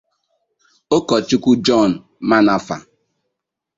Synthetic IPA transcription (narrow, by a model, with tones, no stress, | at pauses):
o˦kɔ˨t͡ʃu˦kʷu˦d͡ʒɔ˦˨n̩˨ | ma˦na˨fa̰˨